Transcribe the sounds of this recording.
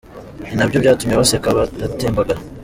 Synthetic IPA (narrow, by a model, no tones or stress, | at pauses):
ninabɟobjaːtumiɾaβasekaβaateːmbaɡaɾa